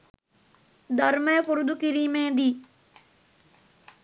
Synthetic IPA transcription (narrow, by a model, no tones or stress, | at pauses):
d̪əɾmẽːpʊɾd̪ukɪɾiːmẽːd̪iː